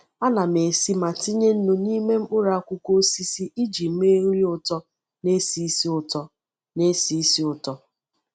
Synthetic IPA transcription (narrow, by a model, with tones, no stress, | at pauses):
a˦na˨me˨si˦ma˨ti˦ɲe˦n̩˦nu˦ni˦me˦m̩˦k͡pʊ˦ɾa˨˦kʷʊ˦ko˦si˦si˦ʔi˦d͡ʒi˨m̩˦me˦ŋ̩˦ɾi˦ʊ˨tɔ˦ | ne˦si˦i˦si˦ʊ˨tɔ˦ | ne˦si˦i˦si˦ʊ˨tɔ˦